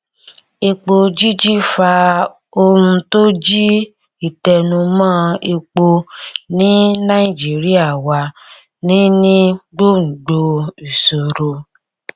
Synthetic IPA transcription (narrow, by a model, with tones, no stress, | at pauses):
e˧k͡po˧d͡ʒi˦d͡ʒi˦fa˧ | o˧ũ˧to˦d͡ʒi˦ | i˦˨tɛ˨nũ˧mãː˦e˧k͡po˧nĩ˦nã˦i˨d͡ʒi˨˦ɾi˦a˦˨wa˧ | nĩ˦nĩ˦ɡ͡bo˦n̩˨ɡ͡bo˧i˨so˨ɾo˧